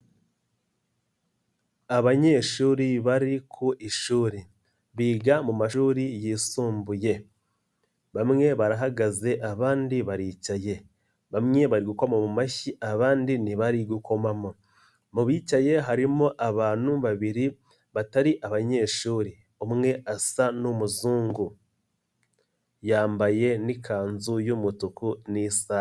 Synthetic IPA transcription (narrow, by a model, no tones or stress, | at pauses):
aβaɲe̞ʃuːɾiβaɾikʰuʔiʃuːɾi | βiːɡamumaʃuːɾijisuːmbuje̞ | βamŋe̞βaɾaɦaɡaze̞ʔaβaːndiβaɾiːcaje̞ | βamŋe̞βaɾiɡukomomumaçiʔaβaːndiniβaɾiɡuko̞mamo | muβiːcaje̞ɦaɾimoʔaβaːnuβaβiɾi | βataɾiʔaβaɲe̞ːʃuːɾi | omŋe̞ʔasanomuzuːŋɡu | jaːmbaje̞nikʰaːnzujumutukunisaː